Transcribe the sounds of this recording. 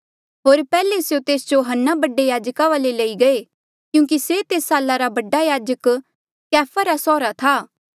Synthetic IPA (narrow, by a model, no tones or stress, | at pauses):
ɦoːɾpɛːlesjot̪eːsd͡ʒoɦənːabɐɖejaːd͡ʒkaʋaːlelɐiɡɐe | kjũːkiset̪eːsːaːlːaɾabɐɖajaːd͡ʒək | kɛːfʰaɾasɔːɾat̪ʰaː